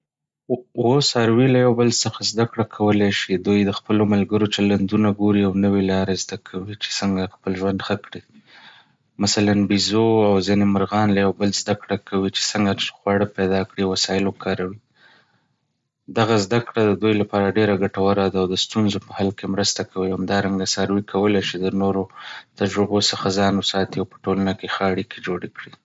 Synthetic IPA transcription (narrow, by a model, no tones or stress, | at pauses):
wosɑɾwilajawbəlsəxazd̪akɽakʰawəlajʃid̪ujd̪əxpəlomalɡəɾot͡ʃaland̪unaɡoɾiawnəwelɑɾezd̪akʰawit͡ʃe̥səŋɡaxpəlʒwand̪xəkɽi | masalanbizoawzinemaɾɣɑnlajawbəlzd̪akɽakʰawit͡ʃe̥səŋɡaxwaɽəped̪ɑkɽiwasɑjɪlokʰɑɾawi | d̪aɣazd̪akɽad̪əd̪ujlapɑɾaɖeɾaɡaʈawaɾad̪aːwd̪əst̪unzopəhalkemɾəst̪akʰawihamd̪ɑɾaŋɡasaɾwikʰawəlajʃid̪ənoɾot̪ad͡ʒɾɪbosəxazɑnwəsɑt̪iawpə̥ʈolanakexəaɽikʰed͡ʒoɽekɽi